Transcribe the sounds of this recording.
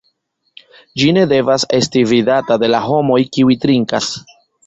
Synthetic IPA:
d͡ʒine̞de̞vase̞stividatade̞laɦo̞mo̞jkiuitɾiŋkas

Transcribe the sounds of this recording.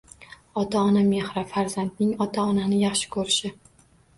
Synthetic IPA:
ɒt̪ʰaɒname̞hɾafaɾzand̪̚nɪŋɒt̪ʰaɒnanɪjɑχʃɪ̥kʰɵɾɪʃɪ

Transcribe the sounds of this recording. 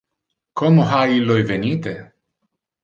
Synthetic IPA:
kʰomoɦailojvenit̪e

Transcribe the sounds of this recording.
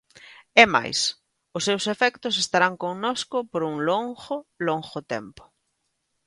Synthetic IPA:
ɛma̰js | ʊsːewsefɛkt̪ʊsest̪aɾaŋkoŋnoskʊpoɾuŋloŋxʊloŋxʊt̪ɛ̰mpʊ̥

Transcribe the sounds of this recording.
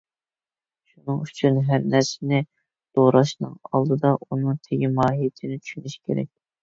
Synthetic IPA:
ʃunɨŋyt͡ʃʰynɦæɾnæɾsɪnɪ | d̪̥oʁɾɑʃnɨ̰ŋɑ̰lˠd̪ɨd̪ɑʔunɨŋt̪ʰeɡʲimɑːɦijɪt̪ʰɪnɪt͡ʃʰy̥ʃynyʃi̥kʲʰeɾɛ̰k̚ʲ

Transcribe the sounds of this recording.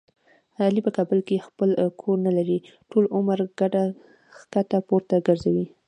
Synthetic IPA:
halipəkɑbʊlkexpəlkʰoɾnalaɾi | ʈolʊmaɾɡ̥aɖa | kat̪apoɾt̪aɡəɾzawi

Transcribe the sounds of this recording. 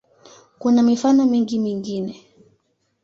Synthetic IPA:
kunamifanɔmiŋɡimiŋɡinɛ

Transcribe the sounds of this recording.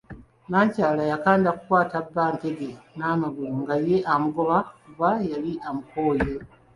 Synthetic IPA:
naːɲcaːlajakaːndakukwaːtabːaːnte̞ɡe̞naːmaɡuluŋɡaje̞ʔamuɡo̞βakuβajaliʔamuko̞ːje

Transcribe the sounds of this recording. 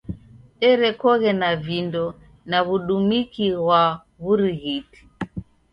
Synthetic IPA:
ɛɾɛkɔɣɛnavindɔ | naβuɗumikiɣwa | βuɾiɣiti̥

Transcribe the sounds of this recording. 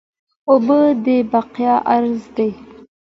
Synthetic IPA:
obəd̪ebaqjɑʔaɾzd̪ej

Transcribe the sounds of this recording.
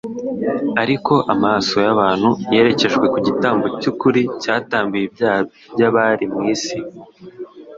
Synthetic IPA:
aɾiko̞ʔamaːso̞jaβaːn̥huje̞ːɾe̞ce̞ʒɡwe̞kuɟitaːmbocukuɾicaːtaːmbujib̚jaːβibjaβaɾimŋiːsi

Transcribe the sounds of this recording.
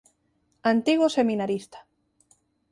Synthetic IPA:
ant̪iɣosemĩnaɾist̪ḁ

